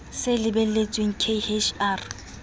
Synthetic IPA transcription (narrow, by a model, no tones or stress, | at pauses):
sɪlɪbɛet͡sʼweŋ̩kʰehet͡ʃʰaːr